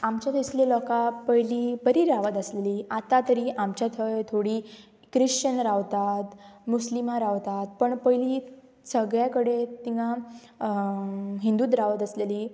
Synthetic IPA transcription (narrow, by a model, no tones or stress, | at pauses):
amt͡ɕjat̪ʰəslelɔkapəjliːbəɾiːɾaʋət̪əsleliːat̪at̪əɾiːʔamt͡ɕjat̪ʰəjt̪ʰoɽiː | kɾiʂt͡ɕənɾaʋt̪at̪muslimaɾaʋt̪at̪̚pəɳpəjliː | səɡɭjakəɽet̪iŋã | ɦind̪uːt̪ɾaʋət̪əsleliː